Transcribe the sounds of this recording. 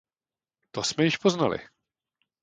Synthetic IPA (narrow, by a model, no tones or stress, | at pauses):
t̪osmɛjɪʃpoznalɪ̰